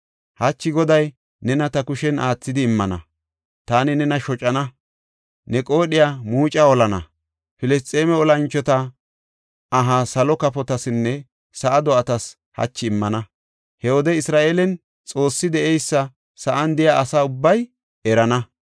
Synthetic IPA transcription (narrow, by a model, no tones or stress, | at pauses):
hɐt͡ʃːɪɡɔd̪ɐj | nɛnɐt̪ɐkʊʃɛnʔaːt͡sːɪd̪ɪːmːɐnɐ̰ | t̪aːnɪnɛnɐʃɔt͡ʃʼɐnɐ | nɛkʼo̞ːɗɪjaːmuːt͡ʃʼaɔlɐnɐ̰ | fɪlɛs̬t̪ʼeːmɛɔlɐnt͡ʃːɔt̪ɐ | ʔɐɦasɐlɔkɐpɔt̪ɐsɪnːɛ | sɐʔɐd̪ɔʔɐt̪ɐs | hɐ̰t͡ʃːɪːmːɐnɐ | hɛwɔd̪ɛɪsɾaːʔeːlɛn | t͡sʼo̞ːsːɪd̪ɛʔɛjsːɐ | sɐʔɐnd̪ɪjaːsaːʊbːɐj | ɛɾɐnɐ